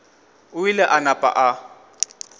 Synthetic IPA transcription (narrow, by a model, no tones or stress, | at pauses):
ʊilɛʔanapʼa̰ʔa